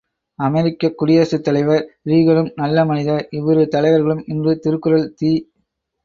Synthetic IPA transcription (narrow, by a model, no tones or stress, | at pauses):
ɐmɛɾɪkːɐkːʊɽɪjaːsɯt̪ːɐlɐɪʋɐɾɾiːɣɐɭɯmnɐlːɐmɐnɪðɐɾɪʋɐɾɯt̪ɐlɐɪʋɐɾɣɐɭɯmɪndrɯt̪ɪɾɯkːɯɾɐlt̪iː